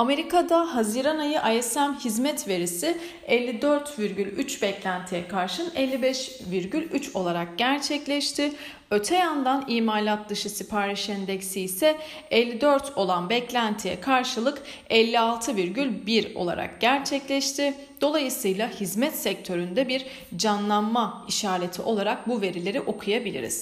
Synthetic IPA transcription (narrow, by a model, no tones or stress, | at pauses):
ame̞ɾikad̪aɦaziɾanajɯʔajɛsæmhizmɛt̪ve̞ɾisɪ | ɛlʲːid̪øɾt̪viɾɟylʲyt͡ʃbɛclʲænt̪ʰijɛkʰaɾʃɯnɛlʲːibɛʃ | viɾɟylʲyt͡ʃo̞lˠaɾak̚ɟ̥æɾt͡ʃʰɛclʲɛʃt̪ʰɪ | ø̞t̪ʰɛjand̪aniːmaːlʲat̪̚d̪ɯʃɯsipʰaːɾiʃɛnd̪ɛcsisɛɛlʲːid̪øɾt̪ʰo̞lˠanbɛclʲænt̪ʰijɛ̰kʰaɾʃɯlˠɯk | ɛlʲːialˠt̪ʰɯviɾɟylʲbiɾo̞̰lˠa̰ɾʔa̰kɟ̥æɾt͡ʃʰɛclʲɛʃt̪ʰɪ | d̪̥o̞lˠajɯsɯjlˠahizmɛt̪sɛc̚t̪ʰø̞ɾynd̪ɛbiɾ | d͡ʒanlˠanmaiʃaːɾet̪ʰiʔo̞lˠaɾak̚buve̞ɾilʲe̞ɾiʔo̞kʰujabilʲḭɾḭz̥